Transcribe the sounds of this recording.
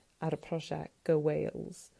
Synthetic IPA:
ʔəɾəpʰɹ̥ɔʃɛ̰ɡ̥əweɪlˠz̥

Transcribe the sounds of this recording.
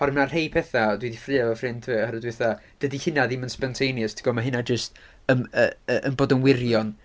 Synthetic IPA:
aɾmnarhejpʰɛθadwidifrɨːavɔfrɪntʰhaɾədwɪθad̥ədihɨnaðɪmənspɛntʰejnjəstʰi̥ɡɔmaɦɪnad͡ʒəst | ənəəʔənboːdənwɪrjɔn

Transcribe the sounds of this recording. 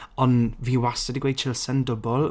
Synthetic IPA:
ɔnviːwasədiɡwej̚t͡ʃʰɪlˠsəndʊbɔlˠ

